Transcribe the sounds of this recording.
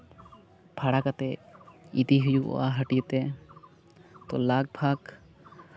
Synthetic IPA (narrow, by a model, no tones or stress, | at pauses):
pʰaɽakat̪ɛid̪iɦujuɔ̰aɦəʈijət̪ɛ | t̪ɔlaɡ̚bʱaɡ